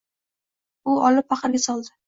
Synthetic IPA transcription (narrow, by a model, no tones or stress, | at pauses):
ʊɒlɪp̚faχɨɾɡʲasɒlˠd̪ɪ